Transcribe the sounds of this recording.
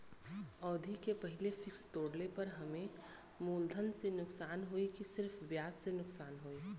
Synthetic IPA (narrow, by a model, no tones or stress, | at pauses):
ɔːd̪ʱikepɐɦɪlefɪkst̪oːɽlepɐɾɦɐmẽ | muːld̪ʱənsenʊksaːnɦoikisɪɾfbjaːssenʊksaːnɦoːiː